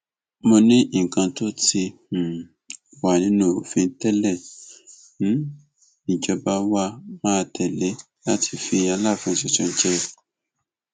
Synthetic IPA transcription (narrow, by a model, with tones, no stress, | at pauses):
mo˧nĩ˦˨kã˧to˦ti˧˨ | wa˨nĩ˨˦nũ˦˨o˨fĩ˧n̩˦tɛ˦lɛ˦˨ | n˦ | nĩ˨d͡ʒɔ˧ba˧wa˧mãː˦˧tʰɛ˨le˨˦ | la˦tʰi̥˧fĩ˧a˧la˦˨fũ˧˨ʃɛ˨t͡ʃɔ̃˨˧n̩˦t͡ʃɛ˦˧